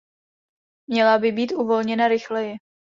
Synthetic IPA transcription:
mɲɛlabɪbiːt̪uvo̞lɲɛnaɾɪxlɛjɛ

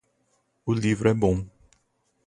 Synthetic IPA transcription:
ʊlivɾʊɛbõ

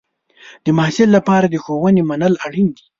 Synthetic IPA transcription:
d̪̥əmahsɪlːapɑɾad̪əxowənemanəlaɽind̪i̥

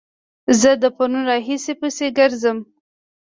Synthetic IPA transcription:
zəd̪əponunɾɑɦisepəseɡəɾzəm

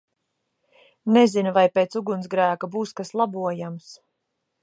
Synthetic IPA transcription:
nezinuvajpeːt̪suɡunsɡɾæːkabuːskaslˠabuɔjams

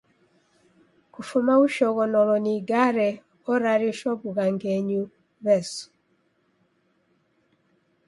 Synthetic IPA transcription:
kufumauʃɔɣɔnɔlɔniɡaɾɛ | ɔɾaɾiʃɔβuɣaŋɡɛɲu | βɛsu̥

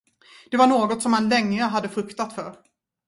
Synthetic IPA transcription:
d̪̥ɛvaɳoːɡɔt̪sɔmhanlɛŋːəɦad̪ːəfɾɵkt̪at̪fœɾ

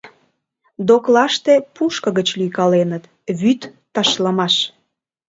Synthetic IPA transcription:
d̪oklɑʃt̪epuʃkə̆ɣət͡ɕlyjkɑlenət̪ | βyt̪ː | ɑʃlɑmɑʃ

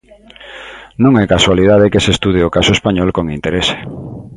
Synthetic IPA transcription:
nũŋɛkaswaliðað̞ekesest̪uð̞eokasoespaɲɔlkoŋint̪eɾese̥

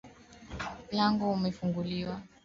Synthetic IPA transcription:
laŋɡɔumɛfuŋɡuliwa

